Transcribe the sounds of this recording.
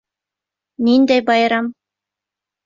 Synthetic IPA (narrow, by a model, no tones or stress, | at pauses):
nind̪æjbɑjɾɑm